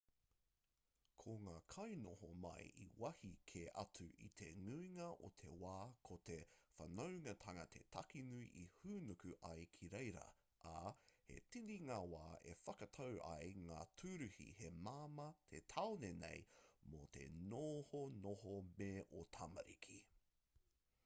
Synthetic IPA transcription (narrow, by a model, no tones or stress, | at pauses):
kʰoŋaːkʰɐjnohomɐ̰jʔḭwɐhikʰeɐ̰tʰʉʔḭt̪ʰeŋuiŋɐʔo̰t̪ʰe̞waːkʰot̪efɐnowŋɐt̪ʰɐŋɐt̪ʰetʰɐkinuiʔihuːnukʉʔajkʰiɾejɾɐ̰ | ʔahḛtiɾiŋaːwaːefɐkɐtʰɐwʔɐ̰jŋaːtʰʉɾʉhḭhemaːmɐt̪ʰet̪ʰaonenḛjmot̪ʰḛnohonoɦomeːʔotʰɐmɐ̰ɾḭkʰi